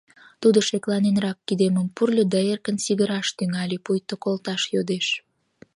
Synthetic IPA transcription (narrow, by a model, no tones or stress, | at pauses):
t̪ud̪oʃeklɑnenrɑkːid̪eməmpurlʲəd̪ɑerkənsiɣəɾɑʃt̪yŋɑlʲepujt̪okolt̪ɑʃjod̪eʃ